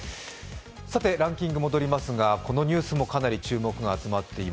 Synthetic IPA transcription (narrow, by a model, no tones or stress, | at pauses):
sat̪e̞ɾãŋkʲĩŋɡɯ̟mo̞d̪o̞ɾʲimasɨɡako̞no̞ɲ̟ɨːsɨmo̞kanaɾʲit͡ɕɨːmo̞kɯ̟ɡaːt͡sɨmat̪ʰːe̞i